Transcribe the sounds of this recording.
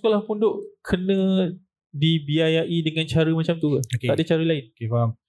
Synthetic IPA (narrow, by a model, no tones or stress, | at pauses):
skolahpundoʔkʰənə̃ | dibiajaʔidəŋant͡ʃaɾəmat͡ʃamt̪ukaotkeaʔdat͡ʃaɾəlaɪnokefam